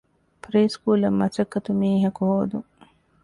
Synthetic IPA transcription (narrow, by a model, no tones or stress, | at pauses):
pɾeːskuːlɐmːɐsɐkːɐt̪umiːɦɐkuɦoːd̪uŋ